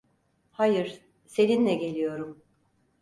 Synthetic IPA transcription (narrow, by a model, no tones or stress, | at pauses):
hajɯɾ̥ | se̞ninlɛɟe̞lʲijo̞ɾum